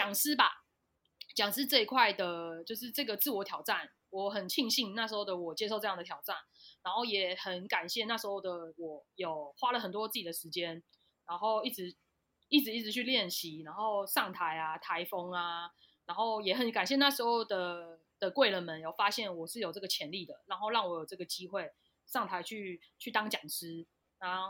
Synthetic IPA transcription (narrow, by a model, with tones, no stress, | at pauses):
t͡ɕjɑ˨˩ŋsɹ̩˥ba̰˨ | t͡ɕjɑ˨˩ŋsɹ̩˥t͡sɤ˥˧i˧kʰwa˥˩ɪd̪ə˩t͡ɕjo˥˧ʊʂ̬ɻ̩˥˧ʈ͡ʂɤ˥˩ɡə˩t͡sɹ̩˥˩wɔ˧˥˦t̪ʰjɑ˨˩ʊʈ͡ʂa˥˨˩n | wɔ˨˩xə˨˩nt͡ɕʰi˥˧ŋɕi˥˧ŋna˥˩ʂɻ̩˧˥xo˥˩d̪ə˩wɔ˨˩t͡ɕjɛ˧˥ʂ̬o˥˧ʊʈ͡ʂɤ˧jɑ˥˩ŋd̪ət̪ʰjɑ˨˩ʊʈ͡ʂa˥˩nːa˧˥nxo˥˩ʊjɛ˨˩˦xə˨˦nka˨˩nɕjɛ˥˧na˥˩ʂ̩˧˥xo˥˧ʊd̪ə˩wɔ˨˩jo˨˩ʊxwa˦˥lə˨xə˨˩nt̪̬wɔ˦t͡sɹ̩˥˩t͡ɕi˨˩d̪ə˩ʂɻ̩˧˦˥t͡ɕjɛ˦n | ɻa˧˥nxo˥˧ʊi˥˩t͡sɻ̩˧˦ | i˥˩t͡sɻ̩˧˦i˥˩t͡sɻ̩˧t͡ɕʰy˥˧ljɛ˥˩nɕi˨˦na˧˥nxo˥˧ʊʂɑ˥˩ŋt̪ʰa˧˦ɪa˧t̪ʰa˧˦ɪfɔ˦ŋa˧ | na˧˥nxo˥˩ʊjɛ˨˩xə˨˦nka˨˩nɕ̬jɛ˥˧na˥˩ʂɻ̩˧˥xo˥˧ʊd̪ə˩ | d̪̥ə˨kwe˥˩ɪlə˨nmə˨˦njo˨˩ʊfa˦˥ɕjɛ˥˩nwɔ˨˩ʂɻ̩˥˩jo˨˩ʊʈ͡ʂɤ˥˩ɡə˩t͡ɕʰjɛ˧˦nli˥˨˩d̪ə̰˩na˧˥nxo˥˧ʊlɑ˥˩ŋwɔ˨˩jo˨˩ʊʈ͡ʂɤ˥˩ɡə˩t͡ɕi˦˥xwe˥˩ɪ | ʂɑ˥˩ŋt̪ʰa˧˦ɪt͡ɕʰy˥˧t͡ɕʰy˥˩t̪ɑ˥ŋt͡ɕjɑ˨˩ŋs̩˥ | na˧˦